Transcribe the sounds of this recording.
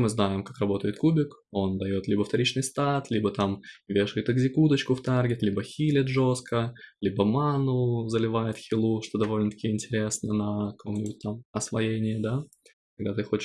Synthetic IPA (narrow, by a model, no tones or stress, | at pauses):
mɨznajɪmkakɾɐbo̞t̪əjɪt̪kubʲɪko̞nd̪ɐjo̞t̪lʲibəft̪ɐɾʲit͡ɕnɨjst̪at̪lʲibət̪amvʲeʂkt̪əɡzʲɪkud̪ət͡ɕkʊft̪arɡʲɪt̪lʲibəxʲilʲɪt̪ʐo̞skəlʲibəmanʊzəlʲɪvajɪt̪xʲɪlˠuʂt̪o̞d̪ɐvo̞lʲnət̪ɐ̥kʲijəɪnʲtʲɪɾʲe̞snənɐɐko̞mnʲɪbʲʊt̚ʲt̪amɐsvɐjenʲɪjɪd̪a | kɐɡ̚d̪at̪ɨxo̞t͡ɕɪ̥